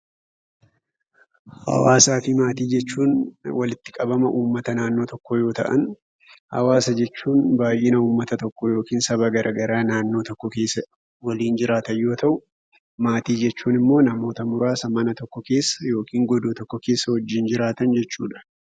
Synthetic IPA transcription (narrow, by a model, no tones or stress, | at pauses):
hɐ̰waːsaːfɪmaːt̪iːd͡ʒɛt͡ʃːuːnwɐlɪt̪ːɪkʼɐbɐmɐʔuːmːɐt̪ɐnaːnːoːt̪ɔkːɔjo̞ːt̪ɐ̰ʔɐ̰n | hɐ̰waːsɐd͡ʒɛt͡ʃːuːnbaːjʔenɐuːmːɐt̪ɐt̪ɔkːɔjo̞ːkiːnsɐbɐɡɐɾʔɐɡɐɾaːnaːnːo̞ːt̪ɔkːɔkeːsːɐ | wɐliːnd͡ʒɪɾaːt̪ɐjo̞ːt̪ɐʔʊ | maːt̪iːd͡ʒɛt͡ʃːuːnɪmːoːnɐmo̞ːt̪ɐmʊɾaːsɐmɐnɐt̪ɔkːɔke̞ːsːɐ̥jo̞ːkʰiːŋɡɔd̪oːt̪ɔkːɔkeːsːɐhɔd͡ʒːɪnd͡ʒɪɾaːt̪ɐnd͡ʒɛt͡ʃːuːᶑɐ̥